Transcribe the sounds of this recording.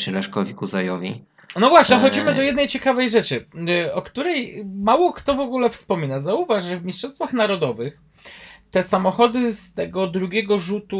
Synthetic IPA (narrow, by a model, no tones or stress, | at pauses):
ʂɘlɛʂkɔvʲikuzajɔvʲi | nɔvwaɕɲɛxɔd͡ʑimɘd̪ɔjɛd̪nɛjt͡ɕɛkavɛjʐɛt͡ʂɘɔkt̪uɾɛjmawɔkt̪ɔvɔɡulɛfspɔmʲinazauvaʐʐɛvmʲiʂt͡ʂʂɔst̪faxnaɾɔd̪ɔvɘx | t̪ɛsamɔxɔd̪ɘst̪ɛɡɔd̪ɾuɡʲɛɡɔʐut̪u